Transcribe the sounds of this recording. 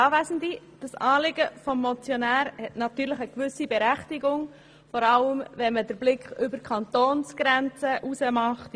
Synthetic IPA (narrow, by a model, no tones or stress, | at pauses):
ɑːʋæɪzən̩di | d̥ɑsɑːlɪɡəfɔmːɔt͡sjonæːɾhɛtnɑt̪yːɾləχəkʋʏsibɛɾæχtiɡʊŋ | fɔɾɑləmvɛnmədəɾblɪkχʏbəɾkʰɑnt̪oːnsɡ̥ɾɛnt͡səʔusəmɑχt